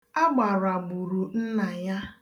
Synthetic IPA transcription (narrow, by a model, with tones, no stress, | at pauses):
a˦ɡ͡ba˨ɾa˨ɡ͡bu˨ɾu˨n̩˦na˨ja˦